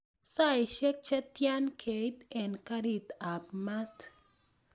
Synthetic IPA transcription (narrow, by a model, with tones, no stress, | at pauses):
sa˦jʃɛ˦k̚t͡ʃɛ˦t̪ja˦nkʰe˨jt̪ɛnkaɾi˨t̪a˨pmat̪